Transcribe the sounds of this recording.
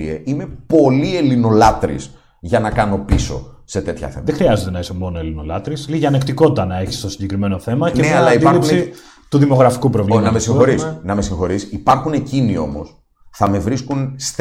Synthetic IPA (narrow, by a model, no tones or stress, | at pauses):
ieʔime̞po̞lie̞lino̞lɐt̪ɾḭs | ʝɐnɐkɐno̞piso̞̰ | se̞t̪e̞t̪çɐ̰θemɐðexɾiɐze̞t̪e̞nɐisemo̞no̞elino̞lɐt̪ɾisliʝɐnekt̪iko̞t̪it̪ɐnɐe̞çi̥st̪o̞siɲɟe̞kɾime̞noθe̞mɐceeɐlɐid̪iɐlipsi | t̪uðimo̞ɣɾɐfi̥kupɾo̞vlimɐmesiŋxo̞ɾisnɐmesiŋxo̞ɾisipɐɾxune̞cinio̞̰mo̞̰s | θɐme̞vɾiskuns